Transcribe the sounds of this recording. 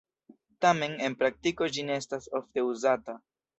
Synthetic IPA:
tame̞ne̞npɾak̚tiko̞d͡ʒineestasofte̞uzata

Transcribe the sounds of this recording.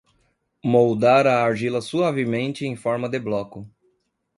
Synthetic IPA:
mowd̪aɾɐːɾʒilɐsuavemẽnt͡ʃɪẽj̃fɔɾmɐd̪ɪblɔkʊ

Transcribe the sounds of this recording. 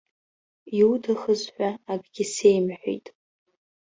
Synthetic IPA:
iudʰaχəzħʷᶣaaɡɡʲɪsejmħʷᶣḭjtʼ

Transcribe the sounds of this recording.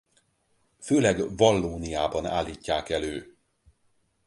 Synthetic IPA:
føːlɛɡvɒlːoːnijaːbɒna̰ːlːiːcːaːkɛløː

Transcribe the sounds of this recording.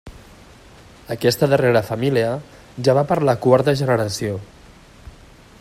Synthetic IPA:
əkɛst̪əðəreɾəfəmiliə | ʒaβapəɾləkwaɾt̪əʒənəɾəsio

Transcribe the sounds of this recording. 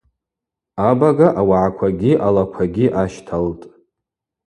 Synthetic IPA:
abaɡaʔawaʕakʷʰaɡʲiʔalakʷʰaɡʲiʔaʃtʰaltʼ

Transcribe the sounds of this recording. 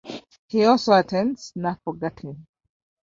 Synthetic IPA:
hiɔlsoətʰɛ̃ndsnatfɔɡɛthɪ̃n

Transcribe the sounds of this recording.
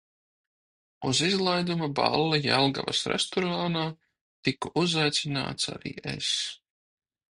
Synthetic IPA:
uzizlˠajd̪umaba̰lˠːajalˠɡa̰va̰sɾɛst̪ɔɾaːnaː | t̪ikuʔuzajt̪sina̰ːt̪sa̰ɾḭːʔḛs

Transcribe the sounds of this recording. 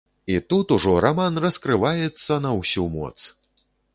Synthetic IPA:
it̪ut̪uʐɔɾamanrɐskɾɨvajɛt̪sːɐnɐwsʲumɔ̰t̪s

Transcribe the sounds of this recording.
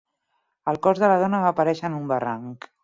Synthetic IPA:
əlˠkɔzðələð̞ɔnəapəɾɛʃənumbəraŋk

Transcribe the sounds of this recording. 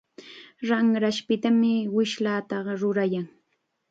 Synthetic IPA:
ɾaŋɾaʃpɪt̪amɪwɪʃlaːt̪ɑɢɑɾʊɾajaŋ

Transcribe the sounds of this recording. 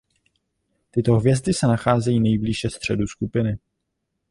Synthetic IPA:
t̪ɪt̪o̞ɦvjɛzd̪ɪsɛnaxaːzɛjiːnɛjbliʃɛst̪r̝̥ɛduskupɪnɪ

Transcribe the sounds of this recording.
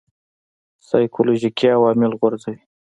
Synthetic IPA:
sɑjkʰoloʒikʰiawɑmɪlɣwʊɾzəj

